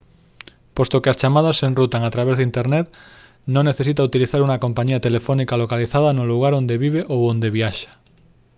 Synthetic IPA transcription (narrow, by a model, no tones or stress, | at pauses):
post̪okeast͡ʃamað̞asːenrut̪aŋat̪ɾaβezðint̪eɾnet̪̚ | nõŋneθesit̪aut̪iliθaɾuŋakompaɲiat̪elefonikalokaliθaðanoluɣ̞aɾond̪eβiβ̞eʔowond̪eβiaʃḁ